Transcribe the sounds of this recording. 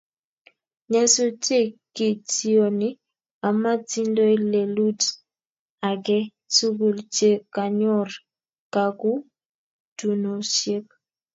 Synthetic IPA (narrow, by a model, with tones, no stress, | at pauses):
ɲa˦so˦t͡ʃe˦˨ki˨ti˦o˨ni˦ | a˨ma˦ti˦ndo˦i˦le˨lu˦t | a˨kɛ˦ | su˦ɡu˨lt͡ʃe˦ka˨ɲɔ˦˨r | ka˨ku˦ | tu˨no˨ʃe˦k̚